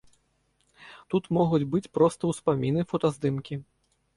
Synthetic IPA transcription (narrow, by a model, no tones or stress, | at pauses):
t̪ut̪mɔɣud͡zʲbɨt͡sʲpɾɔst̪ɐwspamʲinɨfɔt̪azd̪ɨmkʲi